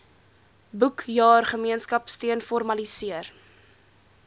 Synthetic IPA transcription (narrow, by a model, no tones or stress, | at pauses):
bukjɑːrχəmiənskɐpstiənfɔrmɐlisiər